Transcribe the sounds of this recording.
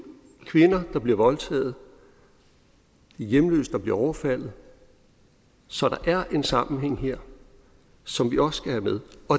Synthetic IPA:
kʰʋe̝nɐd̥ɑ̈b̥liɐʋɒ̽lt͡sʰɛ̰ːð̞̩ˠ | ijemlø̰ːsd̥ɑ̈b̥liɐɒʊɐfæl̰ð̩ˠ | sɒ̽ɾ̥ɑ̈ʔæɐʔe̝nsɑ̈mn̩ɦeŋ̰ɦeɐ̰ | sɒ̽mʋiɒ̽ssɡ̥æhæmeðˠɒ̽

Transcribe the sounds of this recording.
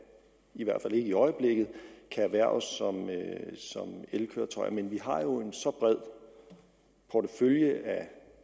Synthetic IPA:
iʋæɐ̰d̥fæl̰e̝ɡ̥əiɒ̽ɪəb̥le̝ɡ̥ð̞̩ˠkʰæːʋæɐɒsːɒ̽møsɒ̽melkʰøːɐt͡sʰɒ̽ɪɐmenʋiɦɑ̈jo̝e̝nsɒ̽b̥ʁɛð̞̰ˠ | pʰɒdəføljəʔæ

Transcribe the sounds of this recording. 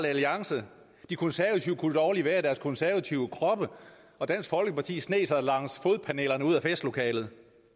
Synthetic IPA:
ləæliɑ̈ŋsə | d̥ikʰɔ̽nsæɐʋæt͡sʰiʊəkʰud̥ɒːliʋæːɐɾ̥æɐskʰɔ̽nsæɐʋæt͡sʰiʊəkʰʁɒ̽b̥ə | ɒ̽d̥æn̰sɡ̥fɒ̽lɡ̥əpɑ̈t͡sʰḭːsne̝̰ːsɑðˠlɑ̈ŋ̰sfo̝ðˠpʰæne̝̰ːlɐnəuð̞̰ˠæfesd̥lo̝kʰɛ̰ːlð̞̩ˠ

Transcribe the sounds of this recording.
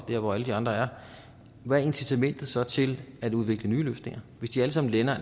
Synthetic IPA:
d̥eɐʋɒæləd̥iɑ̈nd̥ʁɐæɐ | ʋæe̝nsit͡sʰæmen̰d̥ð̩ˠsɒ̽t͡sʰe̝læd̥uð̞ˠʋe̝ɡ̥lənyːløːsne̝ŋ̰ɐʋe̝sd̥iæləs̬ɑ̈mn̩lenɐ

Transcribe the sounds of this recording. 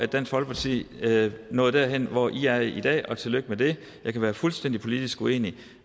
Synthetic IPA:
æ̥d̥æn̰sfɒ̽lpʰɑt͡sʰḭː | nɔ̽ːð̞̩ˠd̥æɐɦen̰ʋɒʔiæɐid̥ɛ̰ːɒ̽t͡sʰe̝lːøɡ̥əmed̥e̝ | jɑɪkʰæʋæːɐfulsd̥en̰dipʰo̝lid̥isɡ̥ue̝̰ːni

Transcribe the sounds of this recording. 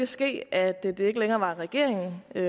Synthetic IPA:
æsɡ̥e̝̰ːæd̥ed̥e̝e̝ɡ̥əleŋɐːʋɑ̈ʁɛɡ̥e̝ɐ̰eŋn̩ø

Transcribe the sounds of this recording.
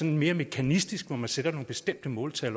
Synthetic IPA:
ɒ̽nenme̝ːɐme̝kʰænisd̥isɡ̥ʋɒmænsed̥ɐno̝ːn̩b̥e̝sd̥em̰d̥əmɔ̽ːlt͡sʰæl

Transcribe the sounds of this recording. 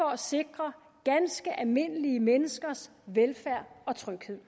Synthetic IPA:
ɒ̽æse̝ɡ̥ʁɐ | ɡ̥ænsɡ̥əʔælme̝n̰əliəmenəsɡ̥ɐs | ʋelfæɐ̰ɒ̽t͡sʰʁœɡ̥he̝ð̰ˠ

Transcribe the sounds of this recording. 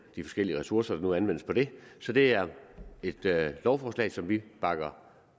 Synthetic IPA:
d̥ifɒ̽sɡ̥el̰iəʁɛsuɐsɐd̥ɑ̈nuænʋen̰əspʰɒ̽d̥e̝sɒ̽d̥e̝æɐe̝d̥lɒʊfɒːslɛ̰ɪsɒ̽mʋib̥ɑ̈ɡ̥ɐ

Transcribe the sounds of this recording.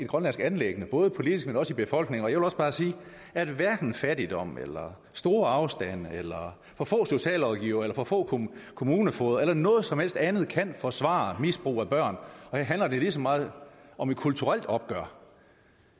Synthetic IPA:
e̝d̥ɡ̥ʁɶnlæn̰sɡ̥ænleɡ̥ənəb̥ɔ̽ːðˠpʰo̝lid̥isɡ̥menɒ̽sib̥e̝fɒ̽l̰ɡ̥ne̝ŋɒ̽jæɪʋe̝lɒsb̥ɑ̈ːsiː | æɐe̝dʋæɐɡ̥n̩fæd̥id̥ɒ̽m̰ḛlɐ | sd̥o̝ːɐɑ̈ʊsd̥æn̰elɐ | fɒ̽fɔ̰̽ːso̝ɕɛ̰ːlɒðˠɡ̥iʊɐelɐfɒfɔ̰̽ːkʰo̝muːnəfɔːðˠelɐnɔ̽ːð̞̩ˠsɒ̽mhel̰sd̥ænð̞̩ˠkʰæn̰fɒsʋɑ̰̈misb̥ʁṵːæb̥ɶɐ̰nɒ̽heɐɦænlɐd̥elisɒmɑ̈ːð̩ˠʔɒ̽me̥kʰult͡sʰuʁal̰d̥ɒ̽b̥̚ɡ̥ɶɐ̰

